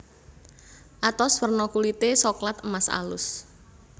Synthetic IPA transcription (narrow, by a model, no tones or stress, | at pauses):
ʔat̪ɔsfərnɔkulit̪esɔklat̪əmasa̰lʊs